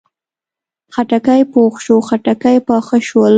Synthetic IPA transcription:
xaʈakajpoxʃoxaʈakajpɑxəʃwəl

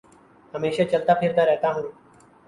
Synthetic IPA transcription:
həmeːʃat͡ʃɐlt̪apʰɪɾt̪aɾɛɦt̪aɦũː

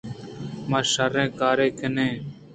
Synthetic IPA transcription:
mãːʃaɾẽːkaːɾeːkʰənẽː

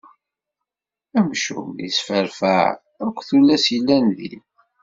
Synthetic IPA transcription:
æmʃṵmisfəɾfæ̰ʕ | ækʷːθulːæsjilːænðḭn

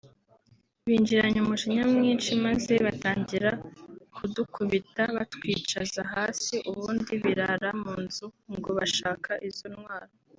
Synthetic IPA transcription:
βiːɲd͡ʒiɾaɲumuʃiɲamŋiːnʃimaze̞βataːɲɟiɾakʰudukʰuβitaβatwiːt͡ʃazaɦaːsiʔuβuːndiβiɾaɾamuːnzuŋɡo̞βaʃaːkaʔizonŋwaːɾo

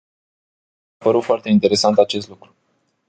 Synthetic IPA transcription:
pəɾut̪foart̪e̞int̪e̞ɾe̞sant̪at͡ʃe̞st̪lukɾu

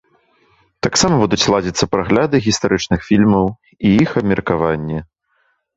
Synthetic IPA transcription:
t̪aksamɐbud̪ut͡sʲlˠad͡zʲit̪sːɐpɾaɣlʲad̪ɨɣʲist̪aɾɨt͡ʂnɨxfʲilʲmɐw | iixɐbmʲɛrkavanʲːɛ

